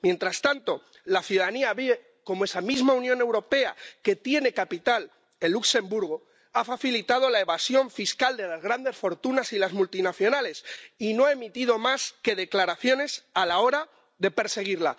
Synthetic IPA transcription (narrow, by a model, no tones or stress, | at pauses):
mjẽ̞nt̪ɾast̪ant̪o̞ | laθjuðaðaniaβiβe | ko̞moe̞samizmaunjõ̞ne̞wɾo̞pe̞a̰ke̞t̪je̞ne̞kapit̪al | elːukse̞mbuɾɣ̞o | afaθilit̪aðo̞lae̞βasjo̞ɱfiskald̪e̞lazɣɾand̪e̞sfo̞ɾt̪unasilazmult̪inaθjo̞nale̞sino̞aemit̪ið̞o̞maske̞ðe̞klaɾaθjo̞ne̞salao̞ɾa | ðe̞pe̞ɾse̞ɣ̞iɾla̰